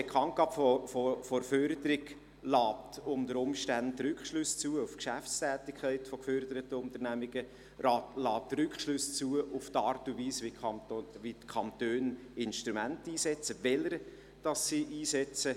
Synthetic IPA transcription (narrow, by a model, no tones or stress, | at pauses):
b̥ekχɑnt̚ɡ̥ɑːpfɔfofɔɾføɾdəɾɪɡ | lɑːp̚tʊnd̪əɾʊmʃtæntːɾʏkχʃlʉst͡suːəufkʃæft͡st̪æːtɪkʰχɛɪtfɔkfœɾdəɾətəʊnt̪əɾnæmiɡ̥ə | ɾɑːtlɑːtɾʏkχʃlʉst͡suəʔuftɑːɾtuviːsʋiʋit̪kʰɑntøːn | ɪnʃtɾumæntiːsɛt͡səvɛləɾ | d̥ɑsːiʔiːsɛt͡sə